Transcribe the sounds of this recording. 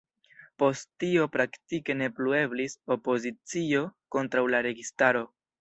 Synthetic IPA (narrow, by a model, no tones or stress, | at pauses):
po̞sttːio̞pɾaktike̞ne̞plue̞bliso̞po̞zit͡sio̞ko̞ntɾawlaɾe̞ɡistaɾo̞